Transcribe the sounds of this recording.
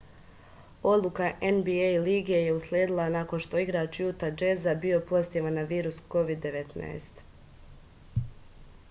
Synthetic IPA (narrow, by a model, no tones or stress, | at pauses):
o̞d̪lˠukaʔenbiejliːɡieje̞uslʲeːd̪ilˠanako̞nʃt̪o̞iɡɾat͡ʃjut̪ad͡ʒezabio̞po̞st̪jeʋanːaʋiːɾusko̞ʋid̪ːe̞ʋe̞t̪na̰est̪